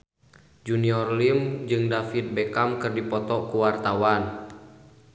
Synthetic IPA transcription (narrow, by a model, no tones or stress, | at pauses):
d͡ʒuniɔrlimd͡ʒɨŋdafit̪̚bekamkɨrdipɔt̪ɔkuwart̪awan